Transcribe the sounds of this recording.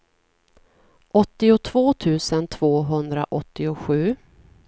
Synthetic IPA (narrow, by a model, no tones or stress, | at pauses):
ʔɔt̪ːɪʊt̪ʰvoːt̪ʰʉ̟ːsənt̪ʰv̥oːɦɵnd̪ɾa̰ʔɔt̪ːɪʊɧʉ̟ː